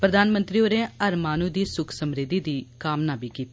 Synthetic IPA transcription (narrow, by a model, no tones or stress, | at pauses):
pɾəd̪aːnmə̃nt̪ɾiːoːɾẽːəɾmaːnuːd̪iːsʊkʰsəmɾɪd̪iːd̪iːkaːmnaːbiːkiːt̪ː